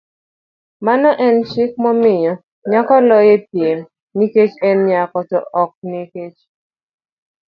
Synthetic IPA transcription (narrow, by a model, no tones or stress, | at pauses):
manɔʔɛnt͡ʃɪk̚mɔmɪɲɔ | ɲakɔlɔjepɪm | niket͡ʃɛnɲakɔtɔ̰ʔɔk̚niket͡ʃ